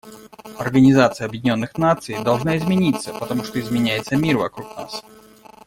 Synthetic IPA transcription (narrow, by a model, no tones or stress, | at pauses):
ɐrɡənʲɪzat̪sɨjəɐbjɪdʲɪnʲo̞nːɨxnat̪sɨjd̪ɐlˠʐnaɪzmʲɪnʲit̪sːəpət̪ɐmuʂt̪oɪzmʲɪnʲæjɪt̪səmʲirvɐ̰kɾukna̰s